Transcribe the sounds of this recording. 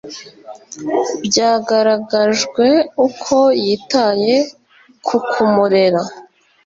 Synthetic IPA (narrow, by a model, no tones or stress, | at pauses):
bɟaːɡaɾaɡaʒɡwe̞ukʰo̞jitaje̞ | kʰukʰumuɾe̞ɾa